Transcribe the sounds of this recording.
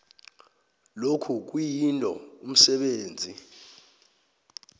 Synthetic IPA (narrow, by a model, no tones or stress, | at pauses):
lokʰuk̬wijintʼɔ̰um̩sɛɓeːnd͡zʱi